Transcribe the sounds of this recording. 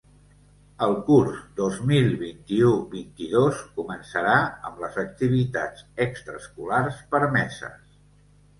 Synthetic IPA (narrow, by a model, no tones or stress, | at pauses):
əlˠkuɾzd̪ozmilˠβint̪iuβint̪iðoskumənsəɾaəmləzək̚t̪iβ̞it̪ad͡zəkst̪ɾəskularspəɾmɛsə̰s